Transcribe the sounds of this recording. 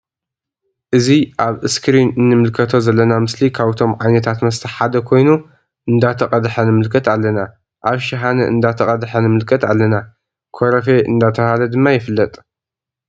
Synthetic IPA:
ʔɨziʔaβɨskʰɾinɨnːɨmɨlkʰɐt̪ʰo̞zɐlːɐnamɨslikʰaβɨt̪ʰo̞mʕajnɐt̪ʰat̪mɐst̪ʰɐħad̪ɐkʰo̞jnu | ʔɨnd̪at̪ʰɐqʼɐd̪ħɐnɨmɨlkʰɐt̪alːɐna | ʔaβʃɪɦanɐ̰ʔɨ̰nd̪at̪ʰɐqʼɐd̪ħɐnɨmɨlkʰɐt̪alːɐna | kʰoɾɐfe̞ʔɨ̰nd̪at̪ʰɐhalɐd̪ɨmːajɪfɨlːɐt̪ʼ

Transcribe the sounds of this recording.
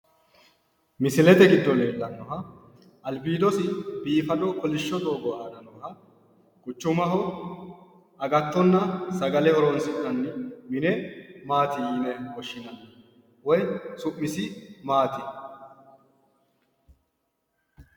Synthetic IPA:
mɪsɪlɛt̪ɛɡɪd̪ːɔleːlːɐnːɔɦɐ | ʔɐlbiːd̪ɔsɪbiːfɐd̪ɔkɔlɪʃːɔd̪ʼoːɡɔʔaːd̪ɐnːɔhɐ | kʼʊt͡ʃːʊmɐɦɔ | ɐɡɐt̪ːɔnːɐsɐɡɐlɛhɔɾɔnsɪʔɐnːɪmɪnɛmaːt̪ɪiːnɛwɔʃːɪnɐ | wɔjsʊʔːɪsɪmaːt̪ɪ

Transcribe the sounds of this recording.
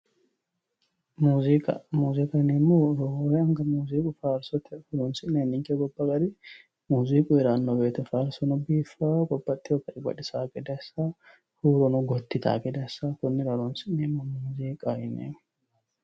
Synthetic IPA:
muːzikʼɐmuːzikʼɐnemːoɾɔoɾɛɐŋɡɐmuːziːkʼʊfaːɾsɔt̪ɪhʊɾoːnsɪʔnenːɪŋkɛɡɔbːɐɡɐɾi | muːziːkʼʊɪɾɐnːoːbeːt̪ɐfaːɾsɔnɐbiːfːaːkʼɔbːɐt̪ːɪɔkːɐʔɪɡɐ̰ᶑɪsaːkʼɛd̪ɐsa | huːɾɔnɔɡɔt̪ːɪt̪ʰa̰kʼɛd̪ɐsaːkʊnːɪɾɐloːnsɪʔneːmːɐmuːziːkʼaʔɪnḛː

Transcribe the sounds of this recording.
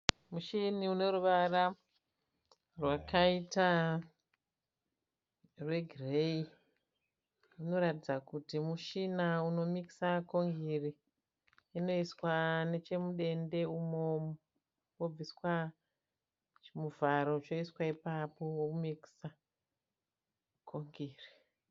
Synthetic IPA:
muʃiniune̞ɾuʋara | rwakaita | rwe̞ɡʱirei | uno̞ɾatid͡zakutimuʃinauno̞miki̥sako̞ŋɡiriː | no̞iswane̞t͡ʃe̞muɗe̞nde̞umomu | wob͡viswa | t͡ʃmuvaɾo̞t͡ʃo̞iswaipapo̞wokumiki̥sa | kʰoŋɡiːri

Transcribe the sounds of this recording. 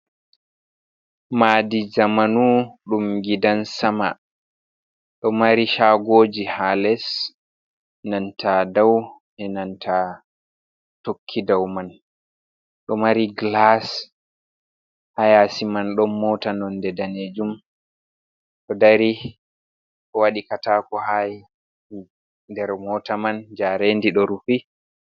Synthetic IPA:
madizamanuɗumɡidansama̰ | ɗɔmaɾiʃaɡoːd͡ʒihalɛs | nantʰadaw | ʔɛnantʰa | tokʰːidawman | ɗɔmaɾiɡlas | hajasimanɗɔmːɔtanɔndɛdaned͡ʒum | ɗɔdaɾi | ʔɔwaɗikatakɔhaj | dɛɾmɔtamand͡ʒaɾendiɗɔɾufi

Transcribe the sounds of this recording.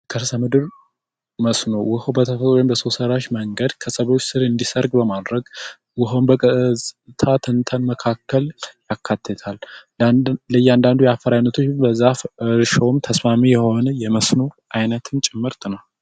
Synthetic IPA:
kʰəɾsəmɨd̪ɨɾ | məsnowʊhobət̪ʰəfət̪ʼwjɪmbəso̞səɾaʃməŋɡəd̪kʰəsəβo̞t͡ʃːsɨɾɨnd̪isəɾɡbəmad̪ɾəɡ | wʊɦombə | t̪ʰat̪ʰɨnt̪ʰənməkʰakːəljakʰːat̪ʰːət̪ʰal | ləjand̪and̪ujɛafːəɾajnːət̪ʰo̞t͡ʃːbəzːafɨɾʃəwmt̪ʰəsmamijɛho̞nəjɛməsno | ʔajnət̪ʰɨnt͡ʃʼɛmːɨɾt̪ʰʼɨnal

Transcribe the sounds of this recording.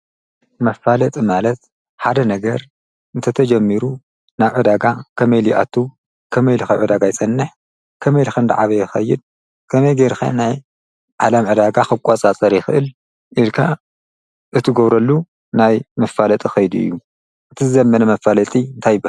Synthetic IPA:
mɐfalɐt̪ʼimalɐt̪ | ħad̪ɐnɐɡɐɾ | ʔɨnt̪ʰɐt̪ʰɐd͡ʒɐmːiɾu | naβʕɨd̪aɡakʰɐmɐjliʔa̰t̪ʰːu | kʰɐmɐjlixɐʕɨd̪aɡajsʼɐnːɨħ | kʰɐmɐjlixɐnd̪a̰ʕaβɐjɪxɐjːɪd̪̚ | kʰɐmɐjɡeɾxɐ̰naj | ʕalɐmʕɨd̪aɡaxɨkʷʼat͡sʼat͡sʼɐɾjɪxɨʔɨl | ʔilkʰa | ʔɨt̪ʰɨɡoβɾɐlːu | najmɐfalɐt̪ʼixɐjd̪uɨ̰jːu | ʔɨt̪ʰɨzɨzɐmːɐnɐmɐfalɐt̪ʼiɨnt̪ʰajbɐ

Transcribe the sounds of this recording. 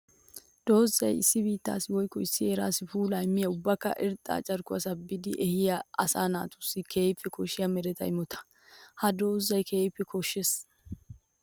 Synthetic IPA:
d̪̥oːzːɐjɪ̰sːɪbiːt̪ːa̰ːsɪwɔjkːɔɪsːɪeːɾaːsɪfuːlajmːɪjɐʊbːɐkːɐ̰ʔɪɾt̪ʼːa̰ːt͡ʃʼɐɾkʊɐsɐbɪd̪ɪʔɛhɪjɐɐsa̰ːnaːt̪ʊ̥sːɪkʰe̞ːjpːɪkʰɔʃɪjɐmɛɾɛt̪ɐ̰jmɔt̪ʰɐ̥ | hɐd̪o̞ːzːɐjkʰeːjpːɛkʰɔʃːes

